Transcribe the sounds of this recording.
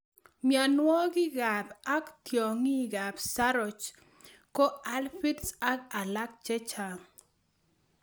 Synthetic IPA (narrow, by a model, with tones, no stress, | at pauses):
mja˨nwɔ˦ɡɪ˦ɡa˨ba˦ktjo˨ŋi˦ɡa˨bsa˦ɾɔ˨t͡ʃ | kɔ˦a˦lfi˦dsa˦ka˨la˦k̚t͡ʃɛ˦t͡ʃa˨ŋ